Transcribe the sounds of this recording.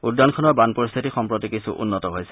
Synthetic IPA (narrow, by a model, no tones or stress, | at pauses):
udːɔnkʰɔnɔɹbanpɔɹist̪ʰitixɔmpɹɔtikisṵʔṵnːɔtɔɦojsɛ